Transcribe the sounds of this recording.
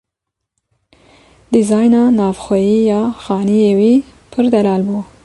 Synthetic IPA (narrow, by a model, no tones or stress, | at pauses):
d̪izɑːjnɑːnɑːvxʷɛjiːjɑːxɑːnijeːwiː | pʰɨɾd̪ɛlɑːlbuː